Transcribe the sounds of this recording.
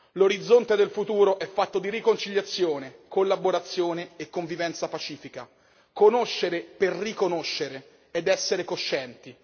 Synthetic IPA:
loɾid̪zːont̪ed̪elfut̪uːɾoʔɛfːat̪ːod̪iɾikont͡ʃiʎːat̪sːjoːnekolːaboɾat̪sːjoːneːkːoɱvivɛnt̪sapat͡ʃiːfika̰ | konoʃːeɾeperrikonoʃːeɾe | ed̪ɛsːeɾekoʃːɛnt̪i

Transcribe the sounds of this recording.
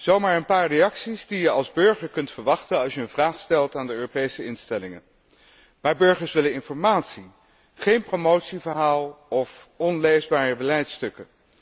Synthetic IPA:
z̥owmaːɹənpaːɹrejɑksizdijəɑlˠzbɵɹχəɹkɵntfəɹʋɑχtənɑlˠsjəənvraːχstɛlˠtaːndəøːropejsəɪnstɛlɪŋə̰n | maːɹbøɹχəɹsʋɪlənɪnfɔɹmaːtsi | χejnpromowtsivəɹɦaːlˠɔfɔnlejzbaːrəbəlɛjtstɵkə

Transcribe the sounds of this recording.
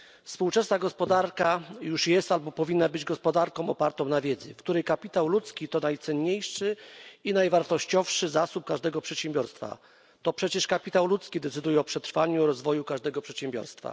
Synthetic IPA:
fspuwt͡ʂɛsnaɡɔspɔd̪aɾkajuʂjɛst̪albɔpɔvʲinːabɘd͡ʑɡɔspɔd̪aɾkɔ̃w̃ɔpaɾt̪ɔ̃w̃navʲjɛd̪zɘ̰fkt̪uɾɛjkapʲit̪awlut̪skʲit̪ɔnajt̪sɛnɲejʂɘinajvaɾt̪ɔɕt͡ɕɔfʂɘzasup̚kaʐd̪ɛɡɔpʂɛt̪ɕɛmbʲjɔɾst̪fa̰ | t̪ɔpʂɛt͡ɕɛʂkapʲit̪awlut̪skʲid̪ɛt̪sɘd̪ujɛɔpʂɛt̪ɾfaɲuɔɾɔzvɔjukaʐd̪ɛɡɔpʂɛt̪ɕɛmbʲjɔ̰ɾst̪fa̰

